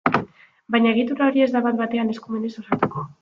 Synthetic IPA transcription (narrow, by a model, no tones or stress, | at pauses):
bajɲaeɣit̪uɾao̞ɾie̞zd̪aβat̪̚bat̪e̞ane̞skume̞ne̞sosat̪uko̞